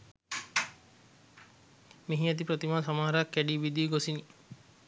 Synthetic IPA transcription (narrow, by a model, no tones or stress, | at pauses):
miɦiɛt̪̬ipɾət̪imaːsamaɦaɾakːæɖiːʋid̪iːɡosini